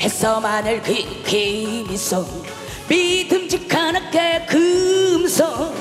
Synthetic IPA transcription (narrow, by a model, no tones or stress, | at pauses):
hes͈ʌmanɯɭkɯkʰemisoŋ | midɯmd͡ʑikʰanɯk͈ekɯmsʰo